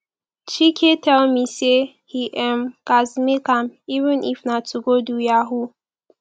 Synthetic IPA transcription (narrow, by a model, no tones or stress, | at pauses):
t͡ʃikʰetʰɛlmise | hiʔɛmkazmikãmivə̃nʔifnatʰuɡodujaɦu